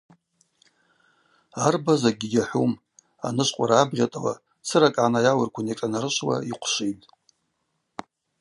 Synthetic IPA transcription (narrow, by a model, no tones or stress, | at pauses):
arbazaɡʲijaħʷum | a̰nɨʃʷʼqʷʼaɾaːbʁʲatʼawa̰ | t͡sʰɨɾakʼʕanajawarkʷʰanekʼanaɾɨʃʷwa̰iqʷʰʃʷijtʼ